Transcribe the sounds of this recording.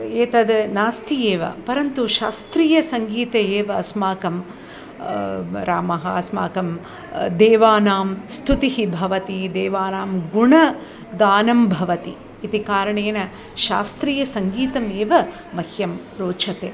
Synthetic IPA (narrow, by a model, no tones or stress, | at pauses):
eːt̪ɐd̪ɐnaːst̪ʰijeːʋɐ̰pɐɾɐnt̪uʃaːst̪ɾiːjɐsɐŋɡiːt̪ɐeːʋɐɐsmaːkɐm | ɾaːmɐɦɐɐsma̰ːkɐm | d̪ɛːʋaːnaːmst̪ʰut̪iɦibʱɐʋɐt̪id̪ɛːʋaːnaːmɡuɳɐ | ɡaːnɐmbʱɐʋɐt̪iː | t̪ikaːɾɐɳeːnɐ | ʃa̰ːst̪ɾiːjɐsɐŋɡiːt̪ɐmeːʋɐ | mɐhjɐm | ɾoːt͡ʃʰɐt̪eː